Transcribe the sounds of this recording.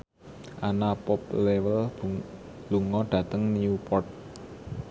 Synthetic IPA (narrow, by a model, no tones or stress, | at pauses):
ʔanapɔplewəl | luŋɔɖ̥ä̤t̪əŋniupɔrt̪̚